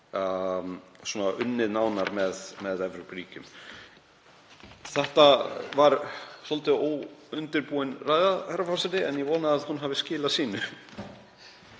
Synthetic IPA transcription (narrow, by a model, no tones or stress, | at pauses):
suɔːnaʔʏnːɪðnaːwnaɾmɛðmɛðɛvɾopɾiːcʏm | θɛht̪avaɾsɔlt̪ɪoːwʏnt̪ɪɾpuːɪnraːjðahɛɾafasɪt̪ɪɛnjɛvɔːnaːðhunɦavɪscɪːlasiːnʏ